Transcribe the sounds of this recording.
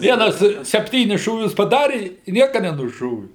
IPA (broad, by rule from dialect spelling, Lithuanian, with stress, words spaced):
ˈʋʲiɛnɐs sʲɛpʲˈtʲiːnʲɪs ʃuːˈʋʲʊs pɐˈdɑːrʲɪ ɪ ˈnʲiɛkɐ nʲɛnʊˈʃoːʋʲɪ